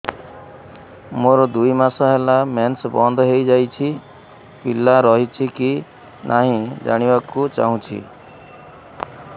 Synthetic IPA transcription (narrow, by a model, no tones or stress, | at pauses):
moɾɔd̪uimasaɦelamɛnsbɔnd̪ʱɦejd͡ʒajt͡ʃʰi | pilaɾɔɦit͡ʃʰiki | nʔaɦĩd͡ʒa̰ɽ̃ibakut͡ʃa̰ɦũt͡ʃʰḭ